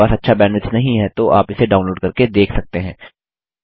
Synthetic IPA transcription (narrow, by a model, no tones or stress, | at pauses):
aːsɐtːʃʰabɛ̃ːɳɖɪʈsnɐɦĩɦɛt̪oʔaːpɪseɖaːʊnloːɖkɐɾked̪eːkʰsɐk̚t̪eɦɛ̃ː